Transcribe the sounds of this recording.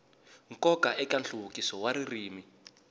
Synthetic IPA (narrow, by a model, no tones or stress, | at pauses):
ŋkɔkaʔɛkanɬuβukisɔwaɾiriːmi